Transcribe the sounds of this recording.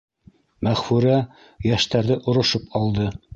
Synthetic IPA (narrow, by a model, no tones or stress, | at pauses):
mæχfʉɾæ | jæʃt̪æɾðɘʔŏɾŏʃɤpɑlˠd̪ɤ